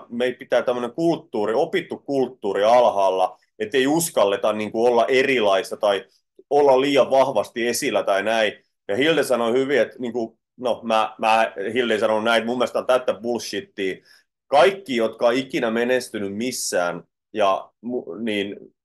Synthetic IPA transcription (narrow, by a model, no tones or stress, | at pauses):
meilpit̪æːt̪æmːøneŋkult̪ːuːriopit̪ːukkult̪ːuːriɑlhɑːlːɑ | et̪ːeiuskɑlːet̪ɑnniːŋkuolːɑʔerilɑist̪ɑt̪ɑi | olːɑlliːɑʋʋɑhʋɑst̪iesilːæt̪ɑinæi | jɑhildesɑnohyʋiet̪niːŋku | nomæːmæːhildeisɑnonunæitmumːielst̪ɑnt̪æt̪ːæbulʃːit̪ːiː | kɑikːiːjot̪kɑikinæmenest̪ynymmisːæːn | jɑmuniːn